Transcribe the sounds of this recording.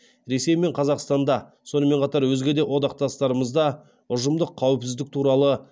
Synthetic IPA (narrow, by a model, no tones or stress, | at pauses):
ɾe̞se̞jme̞ɴqʰɑzɑqst̪ɑnd̪ɑso̞nəme̞ɴqʰɑt̪ɑɾwɵzɡʲe̞d̪e̞wo̞d̪ɑq̚t̪ɑst̪ɑɾəməzd̪ɑ | ʊʒəmd̪əqʰːɑwɪpsɪzd̪ɪk̚t̪ʰuɾɑlˠə